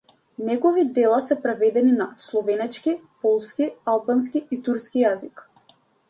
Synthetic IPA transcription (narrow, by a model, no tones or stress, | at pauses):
nɛɡɔvid̪ɛlˠasɛpɾɛvɛd̪ɛninaslˠɔvɛnɛt͡ʃkipɔlˠskialˠbans̬kiit̪uɾskijazik